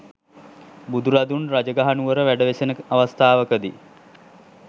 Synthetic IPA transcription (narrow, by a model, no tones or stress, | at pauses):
bud̪uɾad̪unrad͡ʒəɡaɦanuʋəɾəʋæɖəʋesenəaʋast̪aːʋəkəd̪i